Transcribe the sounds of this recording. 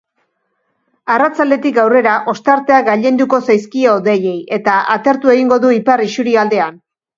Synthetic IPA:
arat͡sald̪e̞t̪ikɡawre̞ɾaʔo̞st̪aɾt̪e̞aɡaʎe̞nd̪uko̞sajskioðeje̞je̞t̪aʔat̪e̞ɾt̪ue̞ɣiŋɡo̞ðuiparisuɾiald̪e̞an

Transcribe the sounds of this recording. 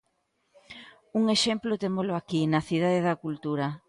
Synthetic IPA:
uŋeʃemplot̪emolʊakinɐθið̞aðeðɐkult̪uɾɐ

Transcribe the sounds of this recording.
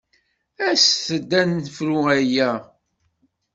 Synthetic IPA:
æsθəd̪ːænəfɾuæjæ

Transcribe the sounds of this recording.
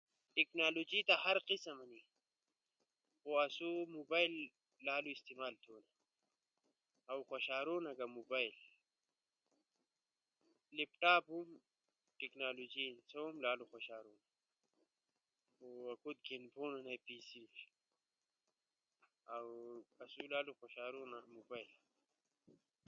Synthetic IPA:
tiknalod͡ʒit̪aɦaɾqisamani | uasumubajlː | aːluist̪imaːlt̪ʰoːna | awxaʃaːɾunaɡamubaːjl | libʈaːbhum | ʈiknalod͡ʒinsoumlaːluxoʃaːɾuna | akud̪̚ɡenponanajpisi | awasulaːluxoʃaːɾonamubajl

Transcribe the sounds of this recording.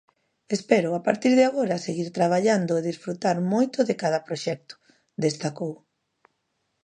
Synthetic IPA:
espɛɾʊapaɾt̪iɾðeaɣoɾɐseɣiɾt̪ɾaβ̞aʎand̪ʊeðisfɾut̪aɾmojt̪ʊðekað̞ɐpɾoʃɛk̚t̪ʊ̥ | d̪est̪akow

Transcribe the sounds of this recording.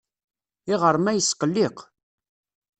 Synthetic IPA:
ɪʁəɾˤmæjəsːqəlːɪq

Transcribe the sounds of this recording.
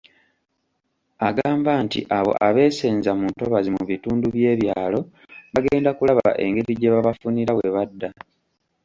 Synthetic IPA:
aɡaːmbaːntḭʔaβo̞̰ʔaβe̞ːseːnzamunto̞βazimuβituːnduβje̞ːβjaːlo̞ | βaɡeːndakulaβaβa̰ʔe̞ŋɡe̞ɾiɟeβaβafuniɾawe̞βadːa

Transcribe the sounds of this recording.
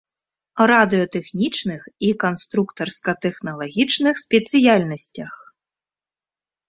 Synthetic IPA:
ɾad̪ɨɔt̪ɛxnʲit͡ʂnɨxikanst̪ɾukt̪ɐrskɐt̪ɛxnɐlˠaɣʲit͡ʂnɨxsʲpʲɛt̪sɨjalʲnɐsʲt͡sʲɐx

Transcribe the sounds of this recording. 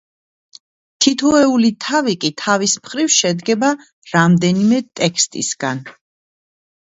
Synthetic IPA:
t̪ʰit̪ʰɔɛulit̪ʰavikʼit̪ʰavismχɾivʃɛd̪ɡɛba | ɾamd̪ɛnimɛt̪ʼɛkʰst̪ʼḭsɡan

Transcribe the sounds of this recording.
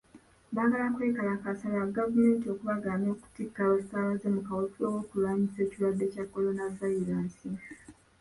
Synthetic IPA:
βaːɡalakwekalakasalaɡavume̞ːntio̞kuβaɡaːmo̞ːku̥tikːaofi̥taːβaze̞mukawofowo̞kulwaːɲise̞ːcilwadːe̞cakːo̞lo̞navaiɾaːsi

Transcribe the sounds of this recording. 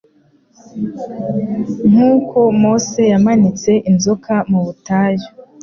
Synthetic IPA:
ŋ̥huːko̞mo̞ːse̞jamanit͡se̞ʔinzokʰamuβutaːjo

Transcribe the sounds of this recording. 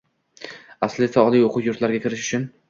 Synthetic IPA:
aslɪsaɒlˠijoqʰʊwjʊɾt̪laɾɡʲakʲʰɪɾɪʃʊ̥t͡ʃʰʊn

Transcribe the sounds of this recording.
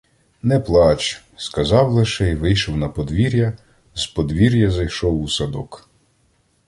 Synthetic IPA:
nɛplˠɑt͡ʃ | skɐzɑwlˠɪʃɛjʋɪjʃɔwnɐpɔd̪ʋʲiɾʲjɐ | zpɔd̪ʋʲiɾʲjɐzɐjʃɔwusɐd̪ɔk

